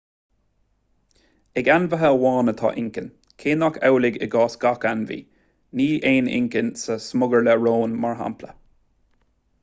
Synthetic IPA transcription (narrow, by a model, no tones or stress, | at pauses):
ɛɡanvəɦəlwɑːnət̪ʰɑ̰ːʔɪŋkən | kʰeːnakʰɛwlɪɡə̰ɡɑːsɡ̥akanvḭː | niːʔeːnɪ̰ŋkənsəsmʊɡəɹləɹoːnmaɹɦa̰mplə̰